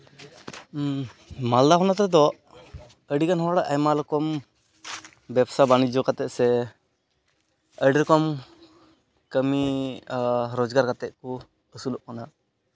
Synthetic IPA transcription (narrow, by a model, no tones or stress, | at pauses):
mald̪aɦɔnat̪ɾɛd̪ɔ | əɽikanhɔaɽaʔʔajmalɔkɔm | bɛbsabanid͡ʒɔkat̪ɛʔ̚sɛ | əɽiɾɔkɔm | kəmi | ɾɔd͡ʒɡaɾkat̪ɛʔ̚ku | əsulɔʔkɔna